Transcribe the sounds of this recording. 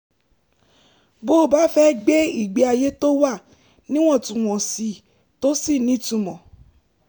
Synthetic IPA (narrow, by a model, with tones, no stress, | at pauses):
bo˦˨ba˨˦fɛ˦ɡ͡be˦i˦˨ɡ͡be˧˦a˧je˦to˦wa˦˨ | nĩ˦w̃ɔ̃˦˨tũ˨w̃ɔ̃˨si˧ | to˦si˦˨nĩ˨˦tũ˧˨mɔ̃˨